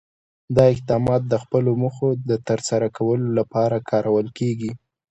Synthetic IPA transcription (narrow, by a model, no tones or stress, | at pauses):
d̪ɑɪq̚d̪ɑmɑt̪̚d̪əxpəloməxod̪ət̪əɾsaɾakʰawəlolapɑɾakʰɑɾʔawəlkeɡi